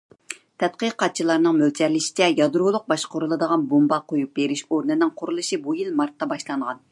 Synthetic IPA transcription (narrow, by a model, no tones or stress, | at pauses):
t̪ʰɛt̪̚qəqɑt̪̚t͡ʃʰilˠɑɾnɨŋmølt͡ʃ̪ʰɛɾlɪʃɪ̥t͡ʃ̪ʰɛjɑd̪ɾulˠʊq̚bɑʃqʊɾulˠɨd̪əʁɑnbombɑqʰojup̚beɾɪʃoɾnɪnɨŋqʰʊɾulˠɨʃibujilmɑɾt̪ːɑbɑʃlˠɑɴʁɑn